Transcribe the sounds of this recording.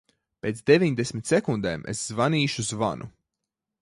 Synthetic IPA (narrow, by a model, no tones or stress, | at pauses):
pʲeːt̪sd̪evʲiɲd̪esʲmʲit̪ʲsɛkund̪eːmḛsz̥vaniːʃuzva̰nʔṵ